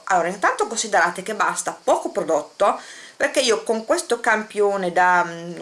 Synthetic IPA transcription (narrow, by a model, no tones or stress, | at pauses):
a̰lːoːɾaint̪ant̪okonsid̪eɾaːt̪ek̟ebːast̪apɔːkopɾod̪ot̪ːoperkeiːokoŋkwest̪okampjoːned̪a